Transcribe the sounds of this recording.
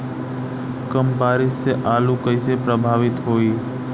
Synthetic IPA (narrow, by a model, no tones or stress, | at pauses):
kəmbaːɾɪsːeʔaːlũkəɪsepɾəbʱaːʋɪt̪ɦoːi